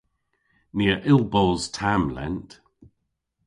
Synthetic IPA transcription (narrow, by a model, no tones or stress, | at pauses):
nɪəɹʔɪlˠbɔːlˠz̥tʰamlɛ̰̃nt